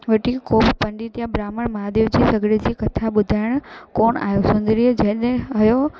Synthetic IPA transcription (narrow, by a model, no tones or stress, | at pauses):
ʋəʈikoːbpəɳɖit̪jãbɾaːməɳmad̪eʋd͡ʑiːsəɡɽed͡ʑikət̪ʰaɓʊd̪ʱajəɳ̃koːɳa̰ːjosʊ̃nd̪ɾid͡ʑɛ̃ɗẽɦɐjo